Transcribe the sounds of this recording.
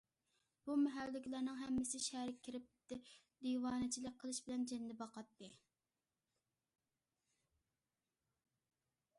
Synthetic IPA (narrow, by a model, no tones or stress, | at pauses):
b̥umɛɦælːɪkʲlæɾnɨŋɦɛmːɪsɪʃæɾɪkʲʰɪɾɪp̪̚ | d̪iwɑːnɨt͡ʃʰilɪk̚ʲqʰəlˠɨʃbɪlɛnd͡ʒɛnd̪ɪbɑqɑt̪ːɨ